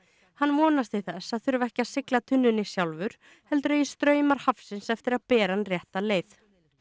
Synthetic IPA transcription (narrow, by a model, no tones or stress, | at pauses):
hanːvɔːnast̪ɪθɛsːaðθʏɾʏvɛhcɪasɪklat̪ʰʏnːʏnɪsjawlvʏɾ̥ | hɛlt̪ʏɾɛjɛst̪ɾœːɥmaɾ̥hafsɪnsɛft̪ɪɾaðpɛːɾanrjɛht̪aleːjθ